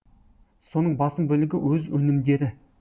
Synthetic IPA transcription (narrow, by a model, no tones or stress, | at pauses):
so̞nəɴbɑsəmbɵlɪɡʲɪwɵzwɵnɪmd̪e̞ɾɪ